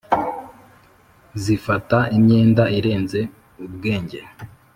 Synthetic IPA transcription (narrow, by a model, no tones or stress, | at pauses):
zifataimɲe̞ːndaiɾe̞ːnze̞ | ub̚ɡe̞ːɲɟeɾ